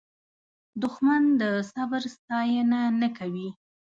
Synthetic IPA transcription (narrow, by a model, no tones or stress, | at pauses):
d̪ʊxmand̪əsabɾst̪ɑjənanakawi